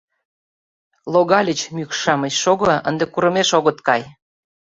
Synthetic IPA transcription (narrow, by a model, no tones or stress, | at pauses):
lˠoɣɑlʲət͡ɕmykʃɑməɕʃoɣɤ̆ə̰nd̪ekuɾɤ̆meʃoɣɤ̆t̪kɑj